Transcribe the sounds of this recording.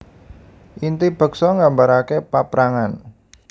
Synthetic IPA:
ʔint̪ib̥ə̤ksɔŋɡambaɾakepapɾaŋan

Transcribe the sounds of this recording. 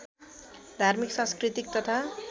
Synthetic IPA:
d̪ʱarmiksãnskrit̪ik̚t̪ʌt̪ʰa

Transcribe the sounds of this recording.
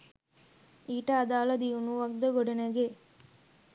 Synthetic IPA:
iːʈəad̪aːlɐd̪iunuʋɐɡd̪əɡoɖɐnəɡe

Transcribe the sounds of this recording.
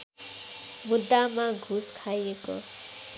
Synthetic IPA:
mud̪ːamãɡʱuskʰajeko̰

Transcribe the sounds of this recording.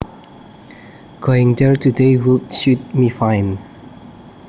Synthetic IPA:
ɡ̥oɪ̃ŋdɛɹtudewultʃut̚mifãɪn

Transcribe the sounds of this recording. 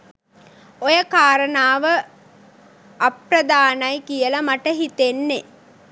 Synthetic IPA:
ojəkaːɾənaːʋə | aprəd̪aːnajkijəlɐmaʈəɦit̪enːe

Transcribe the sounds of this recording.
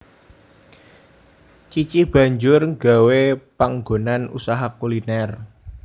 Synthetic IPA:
t͡ʃit͡ʃib̥ä̤ɲd͡ʒʊrŋɡa̤wepaŋɡo̤nanṵsaɦakulinɛr

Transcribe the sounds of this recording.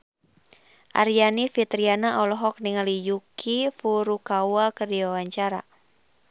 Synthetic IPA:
ʔa̰ɾijanifit̪ɾianaʔɔlɔɦɔk̚niŋalijukʰifuɾukawakərdiwawaɲt͡ʃaɾa̰

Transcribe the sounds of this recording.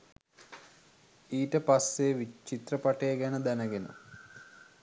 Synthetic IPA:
iːʈəpasːeʋit͡ʃːit̪rəpaʈəjːɡænəd̪ænəɡenṵ

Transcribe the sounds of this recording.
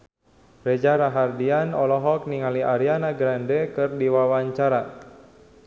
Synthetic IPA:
rɛd͡ʒaɾaɦardianɔlɔɦɔk̚niŋaliʔaɾianaɡɾandɛkɨrdiwawaɲt͡ʃaɾa

